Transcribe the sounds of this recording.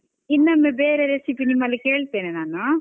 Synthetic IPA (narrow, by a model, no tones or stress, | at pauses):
ɪnːɐmːebeːɾeɾesipːinimːɐlɐkeːɭt̪eːnenaːna